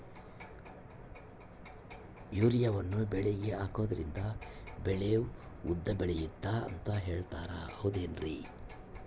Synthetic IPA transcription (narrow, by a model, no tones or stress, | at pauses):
juːɾijɐʋɐnːubɛɭeɡeaːko̞ːd̪ɐɾind̪ɐbɛɭeuud̪ːɐbɛɭejid̪ːaɐ̰nt̪ɐɦe̞ːɭt̪aːɾɐ̰ɐʋud̪eːnɾi